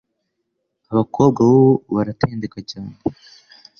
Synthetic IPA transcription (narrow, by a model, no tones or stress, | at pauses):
aβakʰo̞ːb̚ɡaβooβaɾatʰeːndekaɟaːmbo